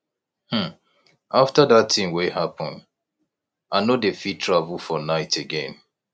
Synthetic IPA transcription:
hm̩ | aftadatĩmweɦapʰɔ̃nd | anodefitʰɹavulˠfɔnaɪtʰeɡɛ̃n

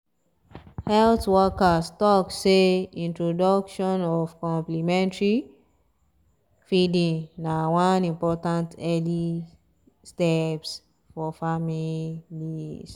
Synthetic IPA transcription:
hɛltwɔkastɔkseĩntɹodɔkʃɔ̃nɔfkɔ̃mplimɛ̃ntɹi | fidĩŋnawãnĩmpɔtãntɛli | stɛps | fɔfamilis

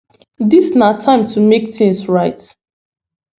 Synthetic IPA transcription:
disnatʰãɪ̃mtʰumektĩŋsɹaɪt

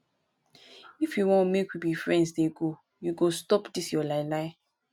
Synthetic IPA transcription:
ifjuwɔ̃nmekwibifɹɛ̃ndsdeɡo | juɡostɔpdisjɔlaɪlaɪ

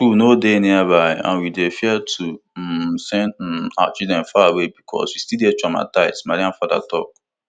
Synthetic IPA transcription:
kunodenĩabaɪã̰nwidefiatʰusɛ̃na̰t͡ʃidɛ̃nfaawebikʰɔ̰swistidɛtama̰taɪsmaɾiãnfada̰tɔ̰k

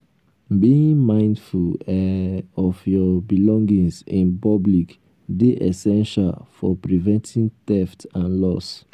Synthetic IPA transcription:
biĩŋmãɪ̃ndfulɛɔfjɔbilɔ̃ŋɡĩsĩnpɔblik | deʔɛ̰sɛ̃nʃa̰lfɔ̰pɹivɛ̃ntʰĩntɛftãnlɔs

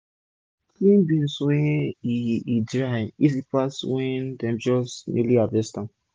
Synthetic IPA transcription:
klĩnbĩnswɛ̃iidɾaisipaswɛ̃ndɛ̃md͡ʒɔsnḭliabɛstã

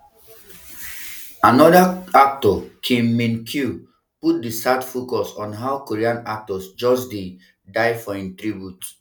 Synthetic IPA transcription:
anɔdaak̚tɔkʰĩmːĩnkʰju | put̚disadfokɔsɔ̃nɦawkoɹiãnak̚tɔsd͡ʒɔsdĩ | daɪfɔĩntɹibjut

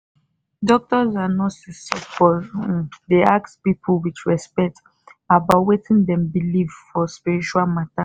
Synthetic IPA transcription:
dɔk̚tɔzanɔtsisɔfɔ | deakspipʰulwitɹɛspɛk̚t | abatwetĩndɛ̃mbilivfɔspiɹit͡ʃualmata

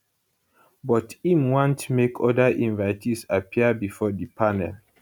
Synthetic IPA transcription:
bɔtĩmwãntmekʰɔdaʔĩnvaɪtʰisapʰiəbifɔdipʰanɛl

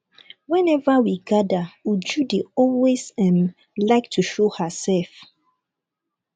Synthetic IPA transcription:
wɛ̃nɛvawiɡadawud͡ʒudiɔlwesɛ̃m | laɪktʰuʃohasɛlf

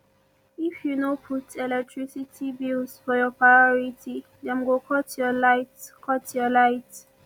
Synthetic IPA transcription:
ifjunopʰutʰɛlɛk̚tʰɹisitʰibilsfɔjɔpʰɹajɔɹitʰi | d̪ɛ̃mɡokʰɔtʰjɔlaɪtkʰɔtjɔlaɪt

